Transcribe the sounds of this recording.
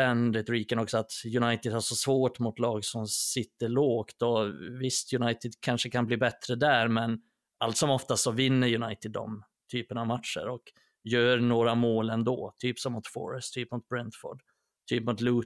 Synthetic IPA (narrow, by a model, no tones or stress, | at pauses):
ɛnɾɛt̪ʊɾiːkənɔksɔat̪jɵnajt̪ɪd̪haʂɔsvoːʈmʊt̪lɑːɡsɔmsɪt̪ːəɭoːkt̪ɔvɪst̪ʰjɵnajt̪ɪd̪kʰanʂəkʰanbliːbɛt̪ːɾəd̪æɾmɛn | alt̪sɔmɔft̪asɔvɪnːəɾjɵnajt̪ɪd̪ːɔ̰m | t̪ʰyːpənavmat̪ʂə̰ɾɔk | jœːɾnoːɾamoːlɛnd̪o̰ːt̪ʰyːpsɔmːʊt̪fɔ̰ɾɛst̪ʰːyːpmʊt̪̚bɾɛnt̪fɔ̰ɖ | t̪ʰyːpmʊt̪luː